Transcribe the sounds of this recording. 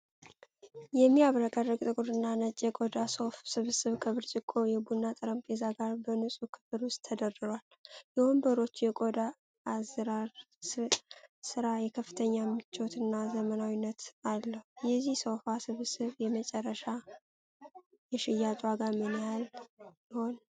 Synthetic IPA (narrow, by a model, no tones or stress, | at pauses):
jɛmːiaβɾəkʼərːəɡʼt̪ʼɨkʼuɾɨnːanət͡ʃʼjɛkʼod̪asofsɨβsɨβkʰəβɨɾt͡ʃʼɪkʼːo̞jɛbunːat̪ʼɨɾəmpʼezaɡaɾbənɨsʼukʰɨ̥fɨɾwʊst̪ʰːəd̪ərɨɾwal | jɛwombəɾo̞t͡ʃːjɛkʼo̞d̪aː | zɾaɾ | s | sɨɾajɛkʰəfːɨ̥t̪ʰəɲːamːɨt͡ʃːot̪ɨnːazəmənawinːət̪alːəhujɛzːihsofasɨβsɨβjɛmət͡ʃʼɛrːəʃa | jɛʃɪjat͡ʃʼwaɡamənjaljɪho̞n